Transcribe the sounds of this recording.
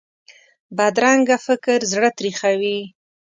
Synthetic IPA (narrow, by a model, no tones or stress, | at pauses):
bad̪ɾaŋɡafɪkɾzɽət̪ɾixawi